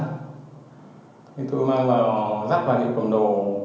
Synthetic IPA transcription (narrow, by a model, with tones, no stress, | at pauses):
ɲə˧ŋt̪o˧jmaː˧ŋvaː˨˩wzaː˦˥k̚vaː˨˩ɲɨ̰˧˥kə˨˩mɗo˨˩